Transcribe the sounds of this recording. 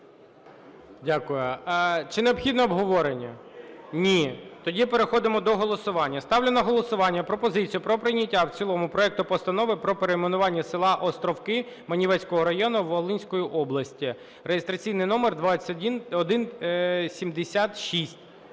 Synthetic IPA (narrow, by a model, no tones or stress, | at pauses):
dʲakʊjʊt͡ʃɪneɔbxʲid̪nɔːbɦɔʋɔɾenʲːɐnʲit̪ɔdʲipeɾexɔd̪ɪmɔd̪ɔɦɔlˠɔsʊʋɑnʲːɐst̪ɑwlʲenɐɦɔlˠɔsʊʋɑnʲːɐpɾɔpɔzɪt͡sʲijʊpɾɔpɾɪnʲɐtʲːawt͡sʲilˠɔmʊpɾɔɛk̚t̪ʊpɔst̪ɐnɔʋɪpɾɔpeɾemenʊʋɑnʲːɐsɪlˠɑʔɔst̪ɾɔwkɪ | mɐnʲiʋɛsʲkɔɦɔɾɐjɔnʊʋɔlˠɪnʲsʲkɔjiʔɔblˠɐsʲtʲi | rejest̪ɾɐt͡sʲijnɪjnɔmerd̪ʋasʲdʲinɔd̪ɪnsʲimd̪esʲat̪ʃisʲtʲ